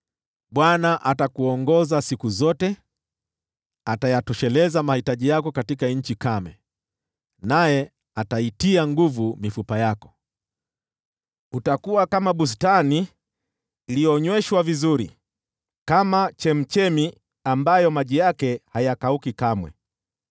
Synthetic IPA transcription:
ɓwanaʔatakuɔŋɡɔzasikuzɔtɛ | atajatɔʃɛlɛzamahitaʄijakɔkatikaɲ̩t͡ʃikamɛ̰ | najɛ | ataitiaŋɡuvumifupajakɔ̥ | utakuwakamaɓus̬taniː | lijɔɲwɛʃwavizuɾi | kamat͡ʃɛm̩t͡ʃɛmi | ambajɔmaʄijakɛhajakaukikamwɛ̰

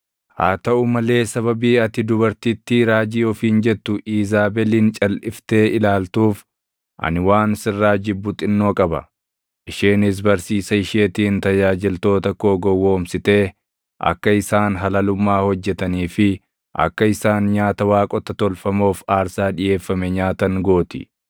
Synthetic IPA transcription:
ha̰ːt̪ɐʊmɐle̞ːsɐβɐbiːɐt̪ɪd̪ʊbɐɾt̪iːt̪ːɪɾaːd͡ʒiːɔfiːnd͡ʒɛt̪ːʊʔiːzaːbɛliːnt͡ʃʼɐlʔɪft̪e̞ːɪlaːlt̪uːf | ʔɐ̰nɪwaːnsɪrːaːd͡ʒɪbːʊt̪ʼɪnːo̞ːkʼɐbɐ̰ | ʔɪʃeːnɪs̬bɐɾsiːsɐɪʃeːt̪iːnt̪ɐjaːd͡ʒɪlt̪o̞ːt̪ɐkoːɡɔwːoːmsɪt̪e̞ː | ʔɐ̰kːɐɪsaːnɦɐlɐlʊmːaːhɔd͡ʒːɛt̪ɐniːfɪ | ʔɐ̰kːɐɪsaːnɲaːt̪ɐwaːkʼɔt̪ɐt̪ɔlfɐmoːfaːɾsaːᶑɪje̞ːfːɐmɛɲaːt̪ɐŋɡo̞ːt̪ɪ̰

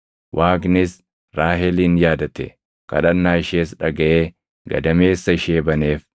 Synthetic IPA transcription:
wʔaːɡnɪs | ɾaːɦɛliːnjaːd̪ɐt̪ɛ̰ | kɐ̰ᶑɐnːaːɪʃeːsᶑɐɡɐʔeː | ɡɐ̰d̪ɐme̞ːsːɐɪʃeːbɐneːf

